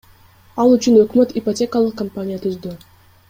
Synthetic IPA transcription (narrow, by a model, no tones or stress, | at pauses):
ɑlˠyt͡ʃynø̞kmø̞t̪ipotʲe̞kəlˠɯq̚kːɐmpanʲijat̪ʰyzd̪y